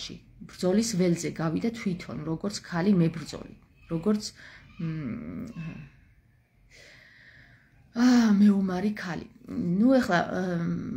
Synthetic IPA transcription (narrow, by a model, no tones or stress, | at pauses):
ʃḭ | b̥ɾd̪zɔlisvɛlzɛɡavid̪at̪ʰwit̪ʰɔ̰nɾɔɡɔɾt̪sʰkʰalimɛbɾd̪zɔ̰lḭ | ɾɔɡɔɾt̪sʰ | mɛumaɾikʰalḭnuɛχla̰